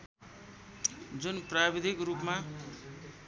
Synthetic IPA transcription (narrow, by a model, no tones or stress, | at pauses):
d͡zunprabid̪ʱikrupma